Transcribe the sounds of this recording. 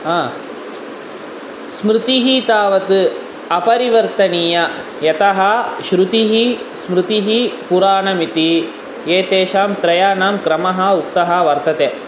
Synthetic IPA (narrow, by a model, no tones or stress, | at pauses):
ɦaː | smɾɪt̪iɦit̪aːʋɐt̪ɨ | ɐpɐɾiʋɐɾt̪ɐniːjɐ | jɐt̪ɐɦɐʃɾut̪iɦismɾɨt̪iɦipuɾaːnɐmit̪i | jeːt̪eːʃaːmt̪ɾɐjaːnaːmkɾɐmɐɦɐukt̪ɐɦɐʋɐɾt̪ɐt̪eː